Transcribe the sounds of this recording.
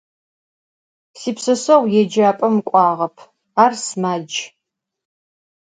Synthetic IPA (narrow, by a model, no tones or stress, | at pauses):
siːpsɐsɐʁʷjɛd͡ʒaːpʼɐmkʷʼɑːʁɐpʰ | aːrsmaːd͡ʒ